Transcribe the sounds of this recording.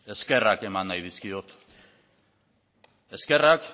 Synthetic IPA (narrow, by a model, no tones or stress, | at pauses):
e̞ske̞rake̞manːajð̞iskio̞t̪ | e̞ske̞rak